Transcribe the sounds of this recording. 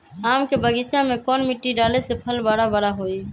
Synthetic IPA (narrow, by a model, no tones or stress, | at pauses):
aːmkebəɡit͡ʃamekɔːnmiʈːiɖalesepʰəlbəɽabəɽaɦoi